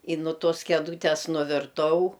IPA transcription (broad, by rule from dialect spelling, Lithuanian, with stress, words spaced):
ɪ nʊ ˈtoːs kʲɛˈduːtʲɛs nʊʋʲɪrˈtɐʊ